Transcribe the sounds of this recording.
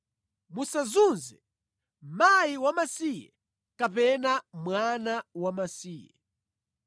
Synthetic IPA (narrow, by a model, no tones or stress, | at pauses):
musazunzɛ | majiwamasijɛ̰ | kapɛnamwanawamasiːjɛ̰